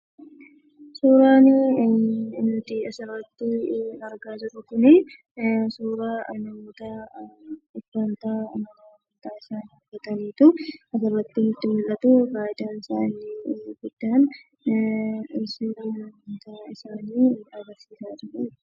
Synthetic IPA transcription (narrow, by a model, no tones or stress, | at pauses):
suːɾaːnɪ | nːʊt̪ɪɐsɪrːɐt̪ːɪnɐɾɡaːd͡ʒɪɾʊkʊnɪ | suːɾaːnɐmɔt̪ɐ | ɪkːɐnt̪aːnɐm | ɐnt̪aːɪsaːnɔɡːɐt̪ɐniːt̪ʊɐsɪrːɐt̪ːɪnʊt̪ːɪmʊlːɐt̪ʊbaːjd̪aːnɪsa̰ːnːɪɡʊd̪̥ːaːn | ɪsɪɐmɔt̪aɪsaːniːɐɡɐɾsiːsaːd͡ʒɪɾɛ